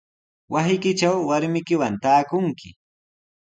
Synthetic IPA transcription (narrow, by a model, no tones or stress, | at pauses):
wʔasɪkɪt͡ʃawːaɾmɪkɪwant̪aːkʊŋkɪ